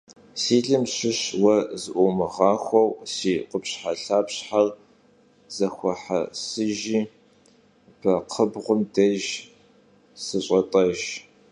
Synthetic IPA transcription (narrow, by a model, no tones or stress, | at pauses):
siːɮɨmɕɪɕwɐzɨʔʷɔmɨʁɑːxʷɔwsiːqəpɕħaɬaːpɕħar | z̥ɐxʷɔħa̰sɨʒiː | b̥ʰɐqʰəbʁʷʊmdɐʒ | sɨɕʼɐtʼɐʒ